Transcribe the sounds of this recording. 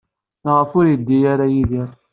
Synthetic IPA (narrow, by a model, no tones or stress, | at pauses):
nəʁfʊɾid̪ːijaɾajiðiɾˤ